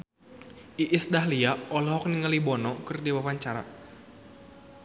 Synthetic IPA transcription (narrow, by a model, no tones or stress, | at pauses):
ʔiʔɪsdahliaɔlɔɦɔk̚niŋəlibɔnɔkɨrdibapaɲt͡ʃaɾa̰